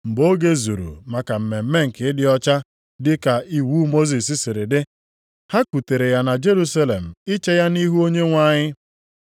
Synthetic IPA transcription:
m̩˨bo˦ɡe˦zu˨ɾṵ˨ma˨ka˨m̩˨me˨m̩˦me˦ŋ̩˨kɪ˨˦ɪ˦dɪ˦ɔ˦t͡ʃa˦ | dɪ˦ka˨i˦wu˦mo˦zi˨sɪ˦sɪ˨ɾɪ˨dɪ˦ | ha˦ku˨te˨ɾe˨ja˦na˨d͡ʒe˦ɾu˦sa˦le˨m̩˨ɪ˦t͡ʃe˦ja˦ni˦ɦu˦o˦ɲe˦ŋʷa˦˨ɲɪ˦

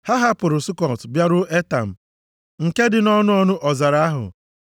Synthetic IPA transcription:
ha˦ɦa˦pʊ˨ɾʊ˨sʊ˦kɔ˨tbja˦ɾʊ˦ʔe˦ta̰˨m̩˨ | ŋ̩˨ke˦dɪ˨nɔ˦nʊ˦ɔ˦nʊ˦ʔɔ˨za˨ɾa˨˦a˦ɦʊ̰˨

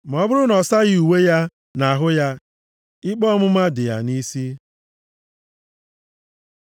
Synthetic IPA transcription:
m̩˨ɔ˦bʊ˦ɾʊ˦nɔ˨sa˦ɣɪ˦u˨we˦ja˦ | na˨ɦʊ˦ja˦ | ɪ˦k͡pɔ˦mʊ˦ma˦dɪ˨ja̰˨ni˦si˦

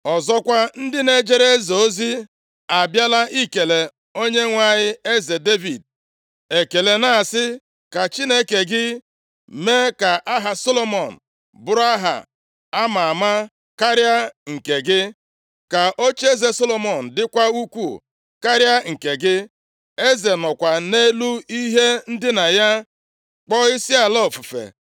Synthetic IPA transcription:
ɔ˨zɔ˦kʷa˦n̩˦dɪ˦ne˦d͡ʒe˦ɾe˦zo˨o˦zi˦ | a˨bja˦la˦ʔi˦ke˨le˨ | o˦ɲe˦ŋʷa˦ɲɪ˦e˦ze˨de˦vi˨d̚ | e˨ke˨le˨na˨a˨sɪ˦ | ka˨t͡ʃi˦ne˦ke˨ɡɪ˦ | me˦ka˨ʔa˦ɦa˨so˦lo˦mɔ˨n̩˨ | bʊ˨˦ɾa˦ɦa̰˨ | a˦ma˨a˨ma˦ | ka˦ɾja˦ŋ̩˨ke˨ɡɪ˦ | ka˨ʔo˦t͡ʃe˦ze˨so˦lo˨mɔ˨n̩˨dɪ˦kʷa˦u˦kʷu˦˨ | ka˦ɾja˦ŋ̩˨ke˨ɡɪ˦ | e˦ze˨nɔ˨kʷa˨ne˦lu˦i˦ɦe˦n̩˦dɪ˦na˨ja˦ | k͡pɔ˦ɪ˦si˦a˨lɔ˦˨fu˨fḛ˨

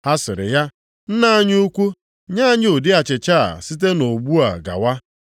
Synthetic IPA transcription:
ha˦sɪ˨ɾɪ̰˨ja˦ | n̩˦na˦a˦ɲ˦u˦kʷu˦ | ɲa˦a˦ɲ˦o˨dɪ˦a˨t͡ʃɪ˨t͡ʃa̰˦˨si˦t̬e˦no˨ɡ͡bu˦a̰˨ɡa̰˨wa˦

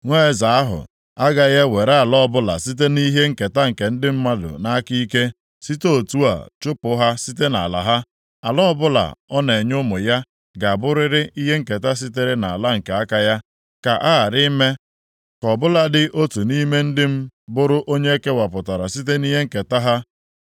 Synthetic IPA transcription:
ŋʷe˦˨za˨a˦ɦʊ̰˨ | a˦ɡa˨je˦we˨ɾe˦a˨lɔ˦ɔ˦bʊ˦la̰˨si˦t̬e˦ni˦ɦe˦ŋ̩˦˨ke˨ta˦ŋ̩˨ke˨n̩˦dɪ˦m̩˦ma˦dʊ̰˨na˦ki˦ke˦ | si˦to˦o˨tu˦a̰˨t͡ʃʊ˦pʊ˨˦ɦa˦si˦te˦na̰˨la̰˨ɦa˦ | a̰˨lɔ˦bʊ˦la̰˨ɔ˦ne˨ɲʊ˦mʊ˨ja˦ | ɡa˨a˨bʊ˦ɾɪ˦ɾɪ˦ʔi˦ɦe˦ŋ̩˦˨ke˨ta˦s̬i˦t̬e˦ɾɪ˦na˨a˨la˦ŋ̩˨ke˨a˦ka˦ja˦ | ka̰˨ʔa˦a˨ɾɪ˦me˦ | kɔ˨bʊ˦la˨dɪ˦ʔo˦tu˨ni˦me˦n̩˦dɪ˦m̩˦bʊ˦ɾʊ˦ʔo˦ɲe˦e˦ke˦wa˨pʊ˨ta˨ɾa˨si˦t̬e˦ni˦ɦe˦ŋ̩˨ke˨ta˦ɦa˦

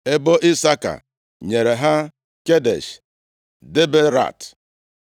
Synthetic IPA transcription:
e˦bo˦ʔi˦sa˦ka̰˨ | ɲe˨ɾe˨ɦa˦ | ke˦dḛ˨ʃ | de˦be˦ɾa̰˦˨t

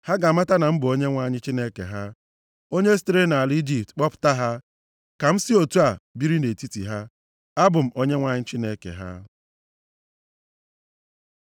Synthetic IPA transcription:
ha˦ɡa˨ma˦ta˦na˨m̩˦bʊ˨o˦ɲe˦ŋʷa˦ɲɪ˦t͡ʃi˦ne˦kḛ˨ɦa˦ | o˦ɲe˦stɾe˦na˨li˦d͡ʒi˨ptk͡pɔ˦pʊ̥˨ta˦ɦa˦ | ka˨m̩˦si˦o˨tu˦a˨bi˦ɾi˦ne˨ti˦tḭ˨ɦa˦ | a˦bʊ˨m̩˨o˦ɲe˦ŋʷa˦ɲɪ˦t͡ʃi˦ne˦kḛ˨ɦa̰˦

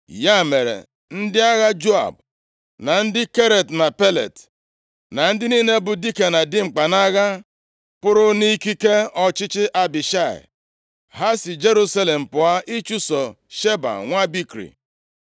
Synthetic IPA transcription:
ja˦˨me˨ɾḛ˨ | n̩˦dɪ˦a˦ɣa˦d͡ʒo˦a̰˨b̚ | na˨n̩˦dɪ˦ke˦ɾe˨tna˨pe˦lḛ˨t | na˨n̩˦dɪ˦ni˦ne˦bʊ˨di˦ke˨na˨dɪ˦ŋ͡m̩˨k͡pa˨na˦ɣa˦ | pʊ˦ɾʊ˦ni˦ki˦ke˦ɔ˨t͡ʃɪ˦t͡ʃɪ˦ʔa˦bɪ˨ʃa˦˨ɪ̰˨ | ɦa˦sɪ˨d͡ʒe˦ɾu˦sa˦le˨m̩˨pʊ˨a˦ʔi˦t͡ʃu˦sɔ˨ | ʃe˦ba̰˨ŋʷa˦bi˦kɾḭ˨

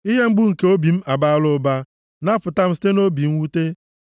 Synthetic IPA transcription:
i˦ɦe˦ŋ͡m̩˦ɡ͡bʊ˦ŋ̩˨ke˦o˦bi˨m̩˦ʔa˨ba˦lʊ˦ba˦ | na˦fʊ˨ta˦m̩˦si̥˦te˦no˦bi˨m̩˦wu˦te˦

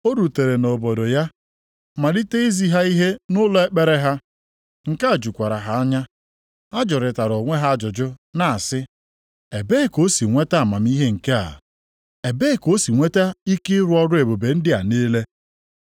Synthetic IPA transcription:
o˦ɾu˨te˨ɾe˨no˨bɔ˨do˨ja˦ | ma˨li˦te˦i˦zi˦ɦa˦i˦ɦe˦nʊ˦lɔ˦e˦k͡pe˨ɾe˦ɦa˦ | ŋ̩˨ka˦˨d͡ʒu˨kʷa˨ɾa˨ɦa˨a˦ɲa˦ | a˦d͡ʒɔ˨ɾɪ˨ta˨ɾo˨ŋʷe˦ɦa˦˨d͡ʒʊ˨d͡ʒʊ˦na˨a˨sɪ˦ | e˨be˦˨ko˦si˨ŋʷe˦ta˦a˨ma˨m˦i˦ɦe˦ŋ̩˨ke˦a̰˨ | e˨be˦˨ko˦si˨ŋʷe˦ta˦i˦kɪ˦ɾʊ˦ɔ˦ɾʊ˦e˨bo˨be˨n̩˦dɪ˦a̰˨neː˦le˦

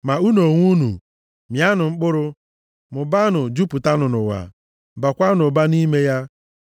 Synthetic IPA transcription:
ma˨u˦no˨ŋʷu˦nṵ˨ | mja˦nʊ˨ŋ͡m̩˦k͡pʊ˦ɾʊ˦ | mʊ˨ba˦nʊ˨d͡ʒu˦pʊ˨ta˦nʊ˨nʊ̰˨wa̰˨ | ba˨kʷa˦nʊ˨ba˦ni˦me˦ja˦

